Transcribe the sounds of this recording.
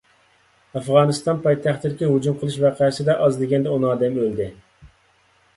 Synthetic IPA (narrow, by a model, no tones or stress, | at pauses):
ɑfʁɑːnɨst̪ɑnpʰɑjt̪ʰæχt̪ɪd̪ɪkʲiɦud͡ʒumqʰəlˠɨʃvæqʰæsɪd̪ɛʔɑzd̪ɪɡʲɛnd̪ɛunɨɑːd̪ɛmølˠd̪ɪ